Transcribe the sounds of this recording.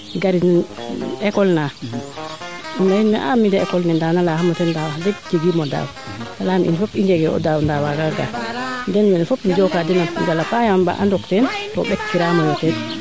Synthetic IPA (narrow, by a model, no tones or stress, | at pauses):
ɡaɾinɛnɛkɔlna | ndainmɛ̰ʔa̰midɛɛ̰kɔlnɛndanalahamɔtɛndawadɛd͡ʒeɡimɔda̰w | nalamʔḭnfopiɲd͡ʒɛɡɛɔ̰dawndawaɡaɡa̰ndɛnmɛnɛfopnid͡ʒɔkadɛnad͡ʒalapajamba̰ʔandɔktɛntɔɓɛkːiɾamɔmɔtɛn